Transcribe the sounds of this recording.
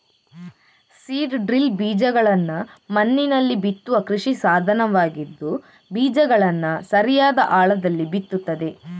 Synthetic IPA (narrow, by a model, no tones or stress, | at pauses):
siːɖɖɾilbiːd͡ʒɐɡɐɭɐnːɐmɐnːinɐlːibit̪ːuʋɐkɾuʂisaːd̪ʱɐnɐʋaːɡid̪ːu | biːd͡ʒɐɡɐɭɐnːɐsɐɾijaːd̪ɐʔaːɭɐd̪ɐlːibit̪ːut̪ːɐd̪e̞